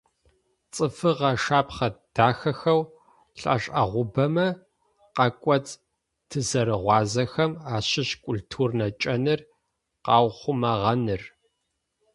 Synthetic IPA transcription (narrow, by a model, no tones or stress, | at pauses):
t͡sʼɨfɨʁɐʂaːpχɐd̥aːxɐxɐw | ɬʼɐ̰ɕʼɐ̰ʁʷʊbɐmɐ | qɐkʷʼɔt͡sʰ | tʰɨzɐɾɨʁʷɑːzɐxɐmaːɕɪɕkʷʼʊltʰuːrnɐt͡ʃʼɐnɨr | qɑːwχʷʊmɐʁɐnɨr